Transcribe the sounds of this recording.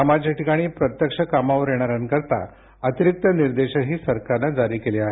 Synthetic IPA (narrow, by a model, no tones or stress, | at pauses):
əmad͡ʑaʈikaɽ̃iːpɾət̪jəkʂəkamaʋəɾjeɽ̃aɾankəɾt̪a̰ | ət̪iɾik̚t̪əniɾd̪eɕəɦiːsəɾkaɾnad͡zaɾiːkeleaɦe